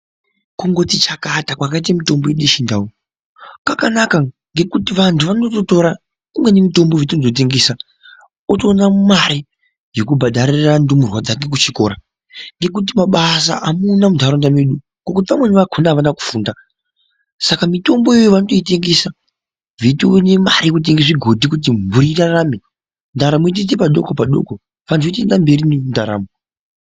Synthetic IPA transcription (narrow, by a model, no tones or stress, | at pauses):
kuŋɡo̞tit͡ʃakatakwakait̬amito̞mbojeɗiʃindao | kakanaka | ŋɡe̞kutiʋantʰuʋanototo̞ɾa | kumwe̞nemito̞mboʋit̬inotot̬e̞ŋɡesa | oto̞ːnammaɾi | jok̬ubʱaɗaɾirandumurwad͡zake̞k̬ut͡ʃiko̞̰ɾa | ŋɡe̞k̬ut̬imaɓasa̰ʔamunamudʱaɾondameɗu | ŋɡokut̬iʋamwe̞neʋakʰonaʋanaku̥fuːnda | sakamito̞mboeojoʋanoto̞iteŋɡesa | vitunemaɾijekut̬eŋɡesiɡʱodʱikut̬imbuɾirarrame | ndaɾamuit̬it̬epaɗo̞kopaɗo̰ko | ʋanzoit̬endambe̞ɾinendaɾa̰ːmu